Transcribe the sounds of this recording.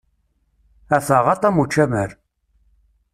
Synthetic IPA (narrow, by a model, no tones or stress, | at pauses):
æθəʁɑt̪ˤɑmut͡ʃːæməɾ